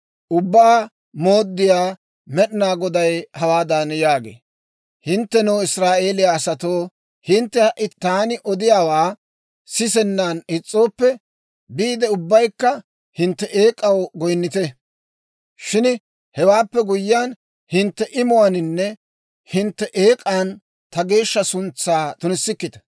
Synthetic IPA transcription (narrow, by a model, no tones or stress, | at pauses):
ʔʊbːaː | moːd̪ːɪjaː | mɛɗɪnaːɡɔd̪ɐjhɐwaːd̪anjaːɡḛː | hɪnt̪ːɛnoːɪsɾaːʔe̞ːlɪjaːsɐt̪oː | hɪnt̪ːɛhɐʔːɪt̪aːnɪʔɔd̪ɪjaːwaː | sɪsɛnːaːnɪt͡sʼːo̞ːpːɛ | biːd̪ɛʊbːɐjkːɐ | hɪnt̪ːɛʔeːkʼɐwɡɔjnːɪt̪ɛ | ʃɪn | hɛwaːpːɛɡʊjːɪjaːn | hɪnt̪ːɛʔɪmʊwanɪnːɛ | hɪnt̪ːɛʔeːkʼaːn | t̪ɐɡe̞ːʃːɐsʊnt͡sːaːt̪ʊnɪsːɪkːɪt̪ɐ̥